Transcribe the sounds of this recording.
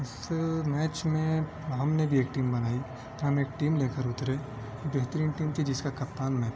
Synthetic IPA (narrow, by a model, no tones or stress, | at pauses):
ɪsmɛːt͡ʃmẽ | ɦɐmnebʱieːk̚ʈiːmbɐnaːi | t̪ɾɦɐmeːkʈiːmleːkəɾʊt̪ɾeː | beɦt̪ɾiːnʈiːmt͡ʃ̪ʰid͡ʒɪskakɐp̚t̪aːnmɛːt͡ʃ